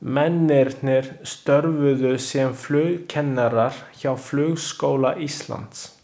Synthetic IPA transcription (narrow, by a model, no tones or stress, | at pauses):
mɛnːɪɾt̪nɪɾ̥st̪œɾvʏðʏsjɛmflʏːɣcʰɛnːaɾaɾ̥çawflʏːɣskoːwlaʔist̪la̰nt̪s